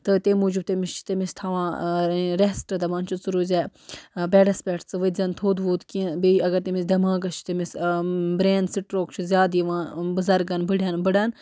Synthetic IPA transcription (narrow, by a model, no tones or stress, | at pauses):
t̪ɨt̪eːmuːd͡ʒib̚t̪emist͡ʃʰt̪emist̪ʰaːʋãːɾesʈɐd̪ɐʋaːnt͡ʃʰut͡suɾuːzʲebɛːɖɐspʲeːʈt͡sɨʋɐzʲɐnt̪ʰoːd̪ʋoːt̪kibiɐɡɐɾt̪emisd̪ɐmãːɡɐʃt͡ʃʰi̥t̪emisbɾeːnd̪siʈɾoːkt͡ʃʰuzʲjaːd̪iʋãːbɐzɐɾɡɐnbɐɽʲjaːnbɐɽaːn